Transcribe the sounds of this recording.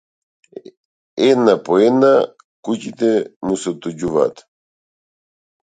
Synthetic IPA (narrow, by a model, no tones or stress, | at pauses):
enapoena | kucit̪ɛmusɔt̪ud͡ʑuva̰t̪